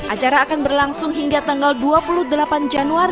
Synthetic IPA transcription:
ʔat͡ʃaɾaːkanbərlaŋsʊŋɦiŋɡat̪aŋɡalduapuluhdəlapand͡ʒanuaɾi

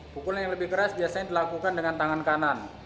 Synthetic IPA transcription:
pukʊljaŋləbɪhkəɾasbiasaɲadilakukandəŋant̪aŋankanan

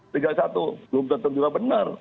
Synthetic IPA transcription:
t̪iɡalsat̪uəlʊmd̪ət̪əŋd͡ʒuɡabənə̰r

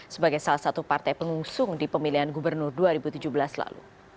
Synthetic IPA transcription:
səbaɡajsalahsat̪upart̪ajpəŋuŋsʊŋdipəmiliɦanɡubərnʊrduaɾibut̪ud͡ʒubəlasla̰lṵ

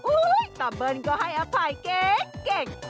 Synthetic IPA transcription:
ujt̪abənkɔɦajapʰajkekeŋ

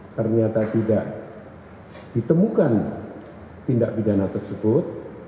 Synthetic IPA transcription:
t̪ərɲat̪at̪idaʔ | d̥it̪əmukan | pindaʔbidanat̪ərsəbʊt̪̚

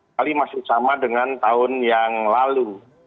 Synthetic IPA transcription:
alimasɪhsamadəŋant̪aʊnjaŋlalu

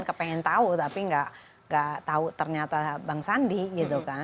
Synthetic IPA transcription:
nkəpeŋɛnt̪aut̪apiŋɡaʔ | ŋɡaʔt̪aut̪ərɲat̪abaŋsandiɡit̪̬uka

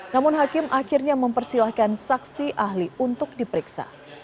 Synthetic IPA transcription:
namʊnɦakɪmʔakɪrɲaməmpərsilahkansaksiʔahliunt̪ʊk̚dipəɾiksa̰

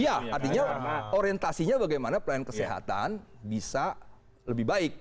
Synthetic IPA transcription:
jaart̪iɲaoɾijənt̪asiɲabaɡajmanapəlajankəseɦa̰t̪a̰nbisa | ləbɪhbaɪk̚

